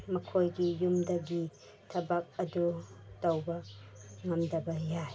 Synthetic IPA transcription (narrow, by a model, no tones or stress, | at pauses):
mɐkʰojɡijumdɐɡi | tʰɐbak̚ɐdutɐwbɐŋɐmdɐbɐjaj